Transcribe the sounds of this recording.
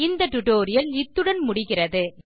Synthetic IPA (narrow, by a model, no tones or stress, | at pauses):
ɪnd̪ɐʈʊʈoːɾɪjɐlɪt̪ːɯɽɐnmʊɽɪɣɪrɐðɯ